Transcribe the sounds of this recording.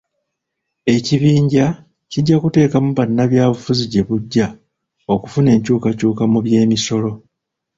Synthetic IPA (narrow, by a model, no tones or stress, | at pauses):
e̞ciβiːɲɟa | ciɟːakute̞ːkamuβanːaβjaːβufuziɟe̞βuɟːa | o̞kufune̞ːɲcuːkacuːkamuβje̞ːmiso̞lo̞